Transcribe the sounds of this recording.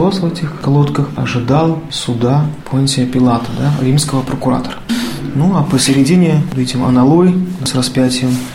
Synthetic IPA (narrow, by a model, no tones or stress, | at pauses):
osvɛtʲɪxkɐlˠot̪kəxɐ̰ʐɨd̪alˠsʊd̪apʰonʲtʲɪəpʲɪlˠat̪əd̪aɾʲimskəvəpɾəkʊɾa̰t̪ərənuapəsʲɪɾʲɪdʲinʲɪəd̪ɛtʲɪmɐ̰nɐlˠojsrɐspʲætʲɪjəm